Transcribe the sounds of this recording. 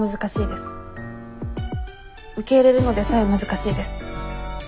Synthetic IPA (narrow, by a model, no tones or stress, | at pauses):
ɯ̟zɨkaɕiːd̪e̞sɨ̥ | ɯ̟ke̞iɾe̞ɾɯ̟no̞d̪e̞saimɯ̟zɨkaɕiːd̪e̞sɨ̥